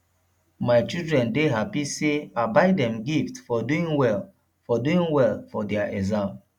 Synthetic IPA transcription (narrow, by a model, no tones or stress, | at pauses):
maɪt͡ʃildɹɛ̃ndeɦapiseabaɪdɛ̃mɡiftfɔduĩŋwɛl | fɔduĩŋwɛlfɔdɛaʔɛzãm